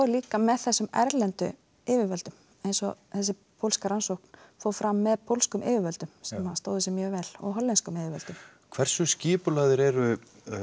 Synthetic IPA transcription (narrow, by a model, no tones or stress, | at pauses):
aliːkamɛðθɛsːʏmɛ̰ɾlɛnt̪ʏ̰ | ɪvɪvœlt̪ʏm | ejnsɔθɛsːɪ | pʰowlskaɾansowhk̚n̥foːwfɾamːɛðpʰowlskʏmʔḛːvɪvœlt̪ʏmsɛmhast̪oːwðɪsɪmjœːvɛlɔ̰ɣɦɔlːɛnskʏmɪvɪɾvɛlt̪ʏm | kʰv̥ɛr̥sʏscɪːpʏlaðɪɾɛɾʏ